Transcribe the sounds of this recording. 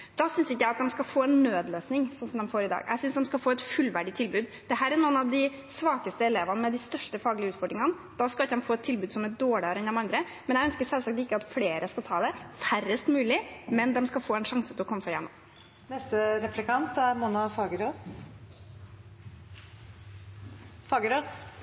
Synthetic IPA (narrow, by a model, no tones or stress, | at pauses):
d̪̥ɑsʏnsɪkːəæɪɑt̪̚d̪ɛmskɑfoːɛnːøːd̪løːsnɪŋsɔnsɔmd̪ɛmfoːɾɪd̪ɑ̰ːɡʔæ̰ɡsʏnsd̪ɛmskɑfoːɛt̪fʉlːʋæɖɪt̪ʰɪlbʉːd̪ | d̪̥ɛɦæːɾæɳuːənɑʋd̪ɪ | sʋɑːkəst̪əɛleːʋənmɛd̪ɪst̪œʂʈəfɑːɡəɭɪəʉːt̪fɔɖɾɪŋən | d̪̥ɑskɑɪkːd̪ɛmfoːɛt̪ʰːɪlbʉːd̪sɔmæɖoːɭɪɑɾɛnd̪ɛmɑnd̪ɾə | mɛnjæɡœnskəsɛlsɑkt̪ɪkːəɑt̪fleːɾəskɑt̪ʰɑːd̪ɛfærəst̪mʉːlɪmɛnd̪ɛmskɑfoːɛnʂɑŋsət̪ʰɪlɔkʰɔmːəsæɪjɛ̰nːɔ̰m | nɛst̪əɾɛplɪkɑnt̪æɾmʊnɑfɑɡɾ | fɑːɡəɾoːs